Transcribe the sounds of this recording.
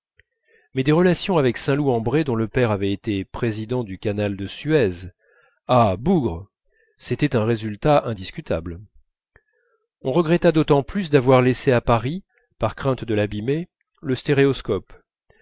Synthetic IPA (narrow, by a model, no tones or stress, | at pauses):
mɛd̪eʁəlasjɔ̃avɛksɛ̃luɑ̃bʁed̪ɔ̃ləpɛʁavɛet̪epχezid̪ɑ̃d̪ykanald̪əsyɛz | abuɡʁə | set̪ɛt̪ɛ̃ʁezylt̪aʔɛ̃d̪iskʲyt̪a̰bl | ɔ̃ʁəɡʁɛt̪ad̪ot̪ɑ̃plys̬d̪avwaʁleseapaʁi | paʁkχɛ̃t̪d̪əlabime | ləst̪eʁeɔskɔp